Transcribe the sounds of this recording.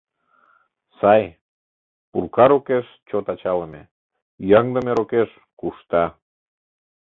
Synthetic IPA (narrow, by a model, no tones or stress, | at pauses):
sɑj | purkɑɾokeʃ | t͡ɕot̪ɑt͡ɕɑləmḛ | jɑŋd̪əmeɾokeʃ | kuʃt̪ɑ